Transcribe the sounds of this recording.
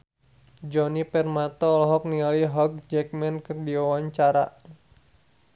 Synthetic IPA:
d͡ʒɔnipɛrmat̪ɔːlɔɦɔk̚nialiɦɔk̚d͡ʒɛk̚mɛnkɨrdiawaɲt͡ʃaɾa̰

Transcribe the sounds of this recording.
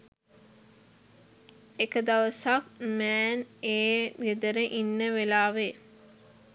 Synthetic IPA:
ekəd̪aʋəsak̚mɛːneːɡed̪əɾəʔinːəʋelaːʋe

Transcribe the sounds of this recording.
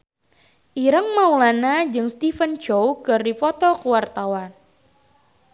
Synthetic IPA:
ʔiɾəŋmaulanad͡ʒɨŋst̪ifənt͡ʃowkɨrdifɔt̪ɔkuwart̪awan

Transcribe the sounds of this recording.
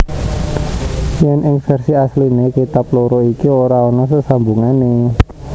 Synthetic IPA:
jɛnʔɪŋfɛrsiaslinekit̪aploɾɔikioɾaɔnɔsəsambuŋane

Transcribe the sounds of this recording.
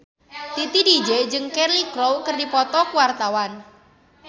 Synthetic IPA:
t̪it̪idid͡ʒed͡ʒɨŋkɛrlikɾowkərdipɔt̪ɔkuwart̪awan

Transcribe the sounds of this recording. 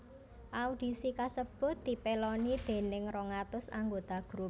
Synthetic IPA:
ʔaud̪̥i̤sikasəb̥ʊ̤t̪̚d̪i̤pelɔnid̪̥e̤nɪŋrɔŋat̪ʊsa̰ŋɡot̪aɡ̥ɾup̚

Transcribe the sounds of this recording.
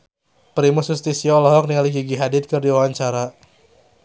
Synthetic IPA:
pɾimusust̪isiɔlɔɦɔk̚niŋaliɡiɡiɦadɪt̪̚kɨrdiwawaɲt͡ʃaɾa

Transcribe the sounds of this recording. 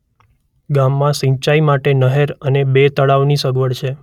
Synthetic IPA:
ɡamːãsĩt͡ʃaimaʈenəɦeɾənebet̪əɭaʋnisəɡʋəɽt͡ʃʰe

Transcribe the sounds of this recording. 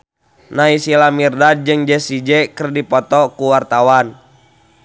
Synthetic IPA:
naisilamirdad͡ʒɨŋd͡ʒɛsid͡ʒɛkərdipɔt̪ɔkuwart̪awan

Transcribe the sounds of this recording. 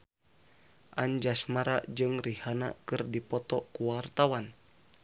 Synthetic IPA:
ʔand͡ʒasmaɾad͡ʒɨŋrihana̰kɨrdipɔt̪ɔkuwart̪awan

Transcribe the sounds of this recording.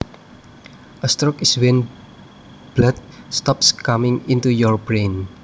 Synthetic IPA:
ʔəst̪ɾɔkiswɛn | b̥lat̪̚st̪ɔpskamɪ̃ŋint̪ujɔɹbɾen

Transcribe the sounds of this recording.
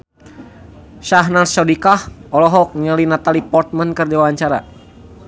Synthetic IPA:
ʃaɦnansawdikahɔlɔɦɔk̚ɲəlinat̪alipɔrt̪̚mənkɨrdiwawaɲt͡ʃaɾa̰

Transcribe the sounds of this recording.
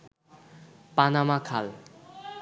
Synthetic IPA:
panamakʰal

